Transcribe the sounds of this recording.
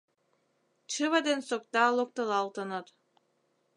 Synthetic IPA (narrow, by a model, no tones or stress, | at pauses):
t͡ʃɨβəd̪ensok̚t̪ɑlok̚t̪əlɑlt̪ənɤt̪